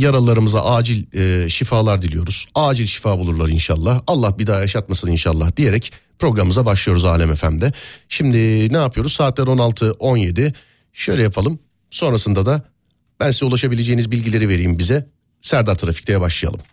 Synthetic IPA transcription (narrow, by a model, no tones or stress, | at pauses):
jaɾalˠaɾɯmɯza̰ʔaːd͡ʒilʲɛʃifaːlˠaɾd̪ilʲijo̞̰ɾuz̥aːd͡ʒilʲʃi̥faːbulˠuɾlˠaɾinʃa̰lˠːahalˠːahbid̪aːjaʃat̪̚masɯninʃalˠːahd̪̥ije̞ɾɛcpɾo̞ɡɾamɯmɯzabaʃlˠɯjo̞ɾuza̰ːlʲɛmefæ̰md̪ɛʃimd̪ɪnɛaːpʰɯjo̞ɾuzsaːt̪lʲæɾo̞nalˠt̪ʰɯʔo̞nje̞d̪i | ʃø̞jlʲɛjapʰalˠɯm | so̞nɾasɯnd̪ad̪a | b̥ænsizulˠaʃabilʲe̞d͡ʒe̞jinizbilʲɟilʲe̞ɾive̞ɾijimbizɛ | sæɾd̪aɾt̪ʰɾafi̥c̚t̪ʰejɛbaʃlˠɯja̰lˠɯm